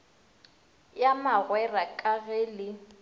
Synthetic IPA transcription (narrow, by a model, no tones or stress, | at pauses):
jamaɣwɛrakʼaɣeːlɪ